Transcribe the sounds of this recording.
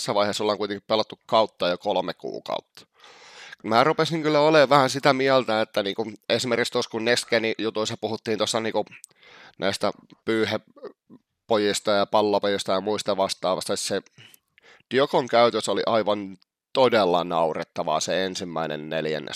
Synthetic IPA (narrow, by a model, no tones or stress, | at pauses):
sːæʋɑihesolːɑŋkuit̪eŋkippelɑt̪ːukkɑut̪ːɑːjokolmekṵːkɑ̰ut̪ːɑ̥ | mæːrupesiŋkylːæoleːʋʋæhænsit̪æmiælt̪æet̪ːæniːŋkuesimerkikst̪oskunneskenijut̪uisːɑpuhut̪ːiːnt̪osːɑniːku | nʔæ̰ist̪æ̰pyːhe | pojist̪ɑjɑpɑlːɑpojist̪ɑjɑmuist̪ɑʋɑst̪ɑːʋɑ̰st̪ɑse | d̥iokoŋkæyt̪øsoliʔɑiʋɑn | t̪odelːɑnɑuret̪ːɑʋɑ̰ːseensimːæinḛnnḛljæ̰nːḛ